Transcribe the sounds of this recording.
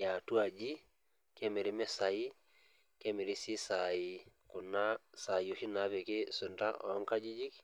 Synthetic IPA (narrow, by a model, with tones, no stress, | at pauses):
ja˨tu˦a˨d͡ʒi˦ | ke˦me˨ɾi˦me˦sa˨i˦ | ke˦me˨ɾi˦si˦sa˨i˨kʊ˨na˦sa˨jo˨hi˦na˨˦pe˨kɪ˦sʊ˨nta̰˦ʔɔ˨˦ŋka˦d͡ʒi˦d͡ʒi˦k